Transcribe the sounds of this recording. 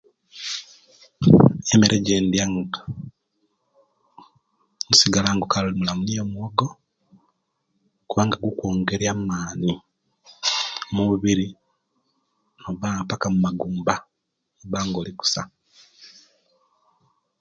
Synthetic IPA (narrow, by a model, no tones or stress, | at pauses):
emeɾʔeɟendjaŋɡa | musiɡalaːŋɡokalolimulamunijomuoɡo̞ | kuβaːŋɡaɡukoːŋɡe̞ɾjamaːni | muuβiɾi | oβapakamumaɡuːmba | oβaːŋɡo̞ːliku̥sa